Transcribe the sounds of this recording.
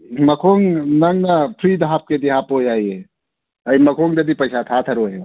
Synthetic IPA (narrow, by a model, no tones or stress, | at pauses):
mɐkʰoːŋnɐŋnapʰɾid̪ʱaːp̚ked̪iɦapojaːje | ɐimɐkʰoŋd͡ʒɐd̪ipɐjsat̪ʰat̪ʰɐɾoɦea